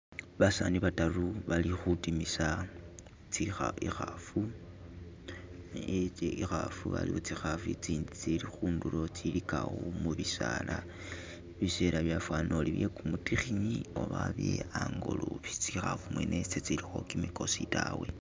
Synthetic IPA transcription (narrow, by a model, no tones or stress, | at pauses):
βasaniβataruβalixutimisa | t͡sixaixafu | ixafṵβa̰liot͡sixafuit͡siːndit͡silixuːndulo̞t͡silikaɣomuβisala | βiseɾʔaβjafwaːno̞liβjekumutixiɲio̞βaβjeaŋɡo̞luβi̥t͡sixafumwenʔet͡set͡silixo̞kimiko̞sitawe̞